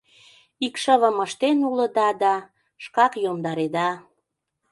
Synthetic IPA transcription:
ikʃəβəməʃt̪enulə̆d̪ɑd̪ɑ | ʃkɑkjomd̪ɑɾed̪ɑ

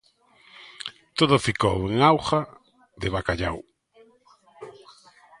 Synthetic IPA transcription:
t̪oðʊfiko̰weŋawχa | ðeβakaʎa̰w

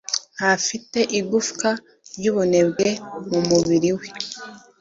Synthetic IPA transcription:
hafite̞ʔiɡufka | ɾjuβune̞bɡe̞mumuβiɾiwe

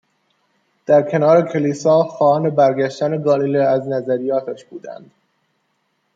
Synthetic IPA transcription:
d̪̥æɾkʲʰe̞nɒːɾekʰe̞liːsɒːxɒːhɒːne̞bæɾɡæʃt̪æneɡɒːlileæznæzæɾijɒːt̪ʰæʃb̥uːd̪æ̰nd̪̥

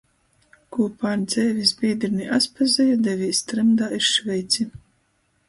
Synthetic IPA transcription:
kuːpaːɾd̪zɛːvʲizbʲiːd̪ɾiniʔaspazɛjɔd̪ɛvʲiːst̪ɾɛmd̪aːiɾʃvʲɛjt̪sʲi

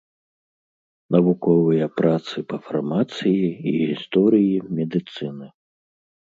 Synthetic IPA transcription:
nɐvukɔvɨjɐpɾat̪sɨpɐfarmat̪sɨjiiɣʲist̪ɔɾɨjimʲɛd̪ɨt̪sɨnɨ

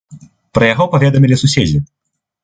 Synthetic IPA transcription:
pɾɐjaɣɔpavʲɛd̪ɐmʲilʲisusʲed͡zʲi

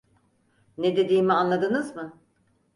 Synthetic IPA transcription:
ned̪e̞d̪iːmianlˠad̪ɯnɯzmɯ

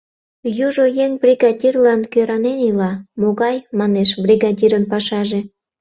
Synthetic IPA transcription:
juʒojeŋbrʲiɣɑdʲirlɑnkøɾɑnenilɑmoɣɑjmɑneʃbrʲiɣɑdʲiɾənpɑʃɑʒe

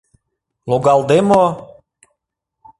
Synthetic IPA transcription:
loɣɑlˠd̪emo

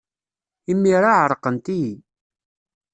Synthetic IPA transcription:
imːiɾˤaʕəɾˤqənt̪i

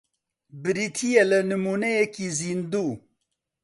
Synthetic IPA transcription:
bɨɾit̪ʰijelənɨmunejekizind̪u

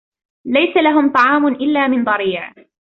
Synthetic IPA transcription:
lajsalaɦʊmt̪ˤɑʕɑːmʊnʔɪlːaːmɪnd̪ˤɑɾiːʕ

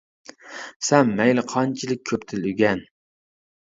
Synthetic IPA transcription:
sɛmːɛjlɨqʰɑnt͡ʃʰilɪk̚ʲʰøpt̪ʰɪlyɡʲɛn

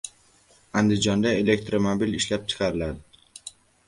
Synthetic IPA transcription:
and̪ɪd͡ʒɒnd̪ae̞le̞k̚t̪ɾomobilɪʃlap̚t͡ʃʰɪ̥qʰɑɾɪlad̪ɪ

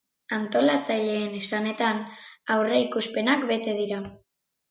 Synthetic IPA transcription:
ant̪o̞lat͡saʎe̞ːne̞sane̞t̪anawre̞ikuspe̞nakbe̞t̪e̞ðiɾa

